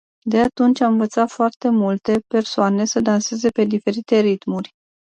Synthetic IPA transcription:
d̪e̞at̪unt͡ʃʲamɨnvət̪sat̪foart̪e̞mult̪e̞pe̞rsoane̞səd̪anse̞ze̞pe̞d̪ife̞ɾit̪e̞ɾit̪murʲ

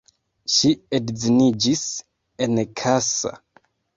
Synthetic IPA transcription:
ʃiedzinid͡ʒis | enkʰasa̰

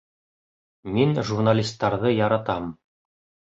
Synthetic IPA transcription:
minʒurnalʲist̪ːɑɾðɤjɑɾɑt̪ɑm

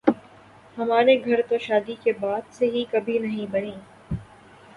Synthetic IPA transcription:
hɐmaːɾeɡʱɐɾt̪oʃaːd̪ikebaːd̪seɦikɐbʱinɐɦĩbɐnẽː

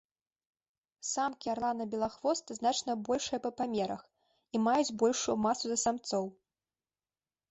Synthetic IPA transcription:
samkʲiaɾlˠanɐbʲɛlˠaxvɔst̪ɐznat͡ʂnɐbɔlʲʂɐjɐpɐpamʲɛɾɐx | imajud͡zʲbɔlʲʂujumasuzɐsamt̪sɔw

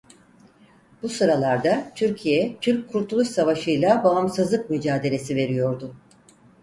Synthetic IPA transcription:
busɯɾalˠaɾd̪at̪ʰyɾcʰijɛt̪ʰyɾckʰːuɾt̪ʰulˠuʃsavaʃɯjlˠabaamsɯzlˠɯk̚myd͡ʒaːd̪e̞lʲe̞sive̞ɾijo̞ɾd̪ʊ

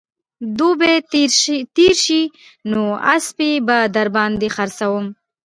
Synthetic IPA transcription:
d̪ube | t̪iɾʃi | noa̰spibad̪aɾbɑnd̪exaɾsawəm

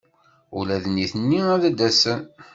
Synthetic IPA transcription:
ṵlæðənːiθənːiæðæd̪æsən

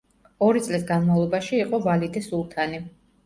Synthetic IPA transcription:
ɔɾit̪sʼlisɡanmavlˠɔbaʃiːqʼɔvalid̪isulˠt̪ʰani

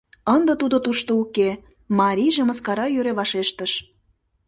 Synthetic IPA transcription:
ənd̪ə̆t̪ud̪ot̪uʃt̪ouke | mɑɾʲiʒemə̆skɑɾɑjøɾeβɑʃeʃt̪əʃ

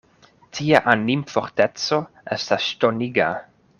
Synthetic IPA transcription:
tʰiaʔanimfoɾtet͡soʔestasʃtoniɡa

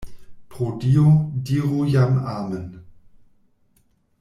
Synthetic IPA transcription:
pʁ̥odiodiʁujamaːmən

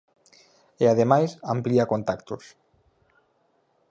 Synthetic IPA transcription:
eaðemajsampliakont̪akt̪us

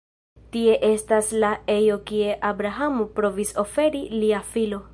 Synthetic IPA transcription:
tie̞ʔe̞staslae̞jo̞kie̞ʔabɾaɦamupɾo̞viso̞fe̞ɾiliafilo̞

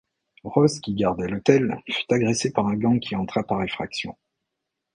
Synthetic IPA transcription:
ʁɔzkʲiɡaʁd̪ɛlot̪ɛlfy̥t̪aɡʁesepaʁɛ̃ɡɑ̃kʲʰiɑ̃t̪χapaʁɛfχaksjɔ̰̃

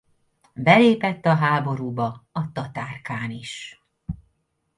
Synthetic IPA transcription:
bɛleːpɛt̪ːɒɦaːbo̞ɾuːbɒɒt̪ɒt̪aːrkaːniʃ

